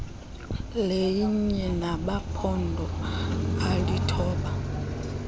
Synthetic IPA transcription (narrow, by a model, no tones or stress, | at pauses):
lejiɲɛnaɓapʰɔndʱɔ | alitʰɔːɓa